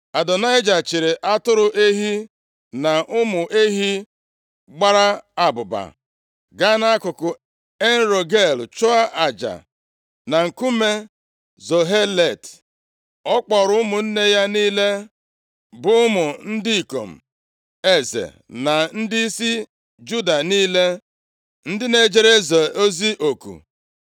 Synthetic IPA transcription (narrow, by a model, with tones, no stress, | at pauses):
a˨dɔ˨na˦ɪ˦d͡ʒa˨t͡ʃɪ˨ɾe˨ʔa˦tʊ˦ɾʊ˨ʔe˦ɦi˦ | na˨ʔʊ˦mʊ˨ʔe˦ɦi˦ | ɡ͡ba˦ɾa˦a˨bʊ˨ba̰˨ | ɡa˦na˦a˦kʊ˨kʊ˨ | e˦n̩˦ɾo˨ɡe˦˨lt͡ʃʊ˦a˦ʔa˨d͡ʒa̰˨ | na˨ŋ̩˨ku˦me˦ | zo˨ɦe˦le˨t | ɔ˦k͡pɔ˨ɾʊ˦ʊ˦mʊ˨n̩˦ne˦ja˦niː˦le˦ | bʊ˦ʊ˦mʊ˨n̩˦di˦i˨ko̰˨m̩˨ | e˦zḛ˨ | na˨n̩˦dɪ˦i˦si˦ | d͡ʒu˦da˨niː˦le˦ | n̩˦dɪ˦ne˨d͡ʒe˦ɾe˦zɔ˨o˦zi˦ʔo˨kṵ˨